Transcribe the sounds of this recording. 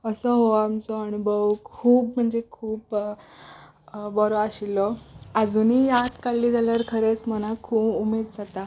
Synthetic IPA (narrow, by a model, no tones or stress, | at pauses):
əsəɦoamt͡sɔaɽ̃ubəʋkʰuːpm̤əɳd͡zekʰuːp | bɔɾɔaɕilːɔəd͡zuːnijat̪kalːiːd͡zaləɾkʰəɾet͡smənakʰuːpumed̪d͡zat̪a